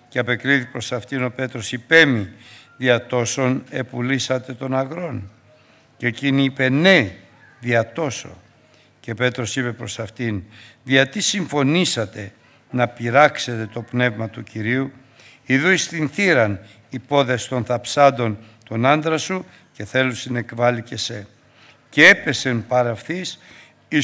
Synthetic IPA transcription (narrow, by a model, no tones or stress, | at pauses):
ceɐpe̞kɾiθipɾo̞sɐft̪ino̞pe̞t̪ɾo̞sipe̞miðiɐt̪o̞so̞ne̞pulisɐt̪e̞t̪o̞nɐɣɾo̞n | ce̞ciniipe̞ne̞ | ðiɐt̪o̞so̞̰ | ce̞pe̞t̪ɾo̞sipe̞pɾo̞sɐft̪inðiɐt̪isiɱfo̞nisɐt̪e̞ | nɐpiɾɐkse̞t̪e̞t̪o̞pne̞vmɐt̪uciɾiu | iðuist̪inθiɾɐn | ipo̞ðe̞st̪o̞nθɐpsɐnd̪o̞n | t̪o̞nɐnd̪ɾɐsu | ce̞θe̞lusine̞kvɐlice̞se̞ | ceepe̞se̞mpɐɾɐfθis | i